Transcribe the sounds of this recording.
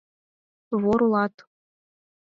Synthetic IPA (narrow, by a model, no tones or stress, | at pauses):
βoɾulˠɑt̪